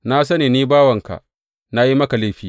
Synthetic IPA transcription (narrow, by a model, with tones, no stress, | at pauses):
na˦s̬ɐ˦ne˨niː˦baː˦wɐ˨ŋka̰˨ | na˦ji˦mɐ˦ka˨le˦ɸiː˦